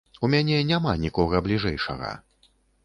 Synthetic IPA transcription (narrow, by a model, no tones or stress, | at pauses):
umʲanʲɛnʲamanʲikɔɣɐblʲiʐɛjʂɐ̰ɣɐ̰